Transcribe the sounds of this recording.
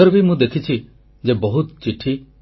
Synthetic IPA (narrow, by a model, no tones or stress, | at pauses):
ɔɾbimũd̪ekʰit͡ʃʰi | d͡ʒebɔɦut̪t͡ʃiʈʰi